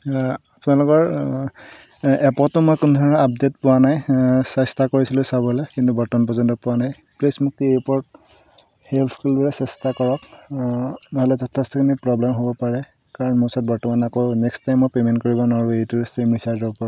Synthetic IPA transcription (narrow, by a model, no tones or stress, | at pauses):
apʊnalʊkɔɹ | ɛpɔtʊmɔjkʊnɔdʱɔɹnɔap̚detpʊwanajsɛstakoɹisilʊsabɔlɛkintubɔɹtɔnpɔzɔntɔpʊwanaj | plesmukipɔɹt | heltʰkʰulbɔɹɛsɛstakɔɹɔk | nɔɦɔlɛzɔtʰːɔstikʰinipɹɔblɛmɦobɔpaɹɛ | kaɹɔnmʊsɔt̚bɔɹtɔmanːakojʊnɛkstajmːɔjpemɛntkoɹibɔnaɹuejtuɹsemɹisaɹzɔbpɔɹ